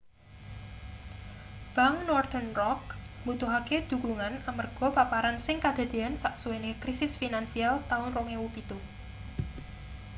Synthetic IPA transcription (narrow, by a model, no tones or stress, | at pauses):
b̥aŋnɔrt̪ənrɔk̚mut̪uɦaked̪̥ṳkluŋanamərɡ̥ɔ̤papaɾansɪŋkad̪̥a̤d̪̥e̤ansaʔsuwenekɾisɪsfinansialt̪aʊnroŋewupit̪u